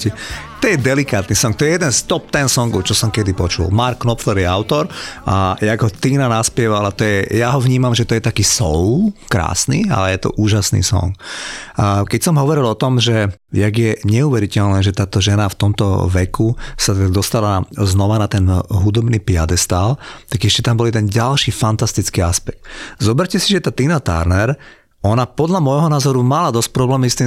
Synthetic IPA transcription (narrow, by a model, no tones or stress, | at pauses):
ɛ | t̪ɔjɛd̪ɛlikaːt̪nisɔŋk̚t̪ɔjɛjɛd̪ɛnst̪ɔp̚t̪ɛnsɔŋɡɔʊt͡ʃɔsɔmkɛd̪ipɔt͡ʃṵlmaɾkːnɔpfɛɾjɛaʊt̪ɔɾʔajaɡɦɔt̪iːnanaspɪɛʋalat̪ɔjɛjaɦɔʋɲiːmamʒɛt̪ɔjɛt̪akiːsɔʊkɾa̰ːsniːa̰lɛjɛt̪ɔ̰ʔuːʒasnḭsɔ̰ŋkː | kɛcsɔmɦɔʋɔɾilɔt̪ɔmʒɛ | jaɡjɛɲɛuʋɛɾicɛlnɛːʒɛt̪aːt̪ɔʒɛnaft̪ɔmt̪ɔ̰ʋɛkusat̪aɡd̪ɔst̪alaznɔʋanat̪ɛnɦud̪ɔbniːpɪa̰d̪ɛst̪aːlt̪aɡɛʃcɛt̪ambɔlid̪ɛnɟalʃiːfant̪ast̪it͡skiːaspɛk̚t̪zɔbɛɾcɛsiʒɛt̪aːt̪inat̪a̰ɾnɛɾ | ɔnapɔd̪lamɔjɦɔnaːzɔɾumalad̪ɔsc̚pɾɔblɛːmist̪i